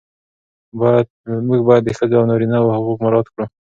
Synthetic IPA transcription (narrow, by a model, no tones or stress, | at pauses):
bɑjad̪̚muɡbɑjad̪ːəxəzoawnɑɾinawahʊɣukmaɾɑt̪kɽu